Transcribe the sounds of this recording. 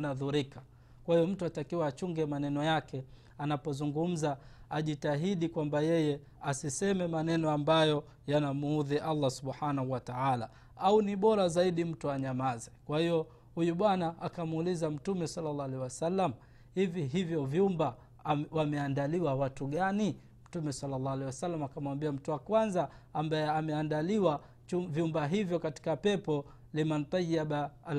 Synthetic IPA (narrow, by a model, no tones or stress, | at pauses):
naðuɾikḁ | kwahijɔm̩tuatakiwaːt͡ʃuŋɡɛmanɛnɔjakɛ | anapɔzuŋɡum̩zaaʄitaɦiɗikwambajɛjɛ | asisɛmɛmanɛnɔambajɔ | janam̩uðiʔalːasuɓħanahuwataala | auniɓɔɾazaiɗim̩tuaɲamazɛkwahijɔ | hujuɓwanaʔakamːlizam̩tumɛsalːalːaalɛjwasalːam | hiviɦivjɔvjumba | wamɛandaliwawatuɠani | m̩tumɛsalːalːaalɛjwasalːamakamwambiam̩tuwakwanzaambajɛamɛandaliwa | uvjumbaɦivjɔkati̥kapɛpɔ | limant̪ɛʄiaɓal